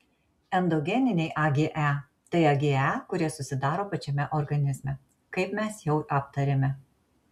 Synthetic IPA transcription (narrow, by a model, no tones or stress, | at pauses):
ɛnd̪oɔɡʲɛnʲɪnʲɛɪʔɐɡʲeːʔæ | t̪ɐɪɐɡʲeːækʊɾʲiɛsʊsʲɪd̪ɑːɾoːpɐt͡ʃʲɛmʲɛʔɔɾɡɐnʲɪzʲmʲɛ | kɐɪpmʲɛsjɛʊʔɑpt̪ɐɾʲeːmʲɛ